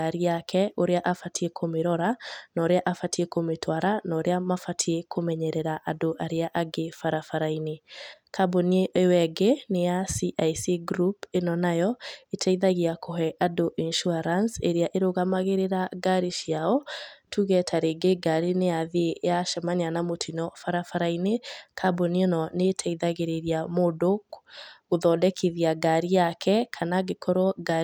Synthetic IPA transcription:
aɾiakʰɛoɾeaʔafatʰiekʰomeɾɔɾanɔːɾeaʔafatʰiekometʰwaɾanɔɾeamafatʰiekʰomɛɲɛɾɛɾaʔadoʔaɾeaʔaɡefaɾafaɾainekʰabonieewɛɡenejasiʔajsiɡɾupenɔnajɔetʰaiðaɣiakʰoɦɛʔadoʔinʃuaɾanseɾeaʔeɾoɣamaɣeɾeɾaɡaɾiʃiaɔtʰuɣɛtʰaɾeɡeɡaɾineaðiejaʃɛmanianamotʰinɔfaɾafaɾainekʰabonienɔnetʰɛiðaɣeɾeɾiamodokɣoðɔdɛkʰiðiaɡaɾiakʰɛkʰanaɡekʰɔɾwɔɡa

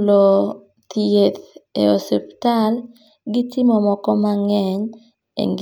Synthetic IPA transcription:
lo | t̪iet̪ḛo̰septal | ɡɪtɪmɔmɔkɔmaŋɛɲ | ḛŋɡ

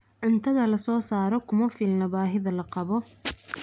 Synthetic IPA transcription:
ʕʊnt̪ʰɐðɐlɐsɔːsaːɾɔkʰʊmɐfilnɐbaːɦɪðɐlɐqɑβɔ

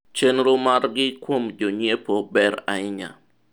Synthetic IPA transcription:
t͡ʃenɾʊmarɡɪkwomd͡ʒoɲepobɛɾa̰ɪɲa̰

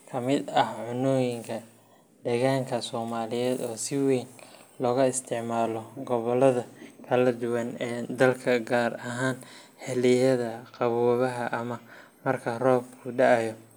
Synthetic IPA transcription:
kʰɐmɪd̪ɐhʕʊnɔːjɪŋkʰɐ | d̪ɛɣaːŋkʰɐsɔːmaːlɪjɛːd̪ɔːsɪwɛːnlɔːɣɐɪst̪ʰɪʕmaːlɔɡɔβɔlɐðɐkʰɐlɐd̪ʊwɐnɛːd̪ɐlkʰɐɡaːrɐɦaːnħɛlɪjɐðɐqɑβɔːβɐɦɐʔɐmɐmɐrkʰɐrɔːbkʰʊɖɑʕɐjɔ

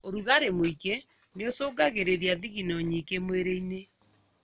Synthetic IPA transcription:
oɾuɣaɾemoike | neosoːɡaɣeɾeɾiaðiɣinɔɲikemweɾeine

